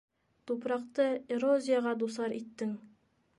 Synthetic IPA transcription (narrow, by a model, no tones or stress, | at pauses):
t̪ʰopɾɑq̚t̪ɑeɾozijɑʁɑd̪osˠɑɾit̪ːɪŋ